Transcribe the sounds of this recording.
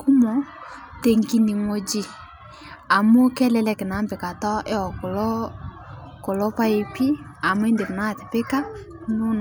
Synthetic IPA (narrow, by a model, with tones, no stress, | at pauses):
ku˦mɔ˨ | te˨ŋki˨ni˨ŋo˨d͡ʒi˨ | a˨mo˦kɛ˦lɛ˨lɛ˨kɪ˨na˨˦mbɪ˨ka˨tɔ˦ʔe˦ɔ˨ko˨lɔ˦ | ko˨lɔ˦pa˦e˨pi˦a˨m˦e˦nde˨mʊ˨na˦˨tɪ˨pɪ˦ka˦ | nʊ˦n